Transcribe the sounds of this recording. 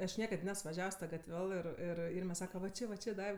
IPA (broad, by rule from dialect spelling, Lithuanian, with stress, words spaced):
ɐʃ ˈnʲiɛkɐt ˈnʲɛs ʋɐˈʒʲɛws ˈtɐ ɡɐtʲˈʋʲɛlˠ ɪr ˈɪr ˈɪrʲmʲɛ ˈsɑːkɐ ʋɐ ˈt͡ʃʲɪ ʋɐ ˈt͡ʃʲɪ ˈdɐɪw